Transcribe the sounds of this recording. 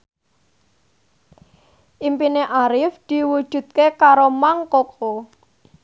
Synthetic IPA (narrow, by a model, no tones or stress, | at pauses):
ʔimpineʔaɾɪfd̪̥i̤wud̥ʒ̥ṳt̪̚kekaɾomaŋkokʰo